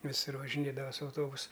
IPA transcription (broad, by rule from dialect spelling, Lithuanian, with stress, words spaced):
ʋʲɪˈsʊr ʋɐʒʲɪˈnʲeːdɐʋɐ sʊ ɐʊˈtoːbʊsʊ